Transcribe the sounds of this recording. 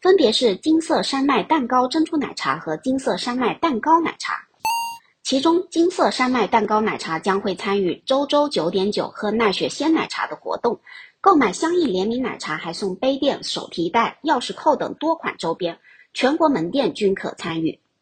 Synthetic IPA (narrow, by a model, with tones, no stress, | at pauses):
fə˥npjɛ˧˥ʂɻ̩˥˩t͡ɕi˥ŋsɤ˥˩ʂa˥nma˥˩ɪt̪a˥˩nkɑ˥ʊʈ͡ʂə˥nʈ͡ʂʰu˥na̰˨˩ɪʈ͡ʂʰa̰˧˥xɤ˧˥t͡ɕi˥ŋsɤ˥˩ʂa˥nma˥˩ɪt̪a˥˩nkɑ˥ʊna̰˨˩ɪʈ͡ʂʰa̰˧˥ | t͡ɕʰi˧˥ʈ͡ʂʊ˥ŋt͡ɕi˥ŋsɤ˥˧ʂa˥nma˥˩ɪt̪a˥˩nkɑ˥ʊna˨˩ɪʈ͡ʂʰa˧˥t͡ɕjɑ˥ŋxwe˥˩ɪt͡sʰa˥ny˥˩ʈ͡ʂo˥ʊʈ͡ʂo˥ʊt͡ɕjo˧˥ʊt̪jɛ˧˥nt͡ɕjo̰˨˩ʊxɤ˧˥na˥˩ɕɥɛ˧˥ɕjɛ˥nna̰˨˩ɪʈ͡ʂʰa̰˧˥d̪ə˧xwɔ̰˧˥t̪ʊ˥˩ŋko˥˩ʊma˨˩ɪɕjɑ˥ŋi˥˩ljɛ˧˥nmi˧˥nna̰˨˩ɪʈ͡ʂʰa˧˥xa˧˥ɪsʊ˥˩ŋpe˥ɪt̪jɛ˥˩nʂo˨˩ʊt̪ʰi˧˥t̪a˥˩ɪjɑ˥˧ʊʂɻ̩˥˧kʰo˥˩ʊt̪ɤ̰˨˩ŋt̪wɔ˥kʰwa̰˨˩nʈ͡ʂo˥ʊpjɛ˥n | t͡ɕʰɥɛ˧˥nkwɔ˧˥mə˧˥nt̪jɛ˥˩nt͡ɕy˥nkʰɤ̰˨˩t͡sʰa˥ny˥˩